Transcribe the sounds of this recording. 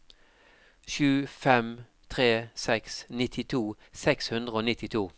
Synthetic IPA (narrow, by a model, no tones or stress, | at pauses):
ʃʉːfɛm | t̪ʰʁeːsɛksnɪt̪ʰɪt̪ʰuː | sɛkshʉnd̪ʁəoːnɪt̪ɪt̪ʰuː